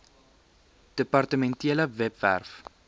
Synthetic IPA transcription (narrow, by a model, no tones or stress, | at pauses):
d̥əpɐrtəmɛntiələvɛpvæ̰rf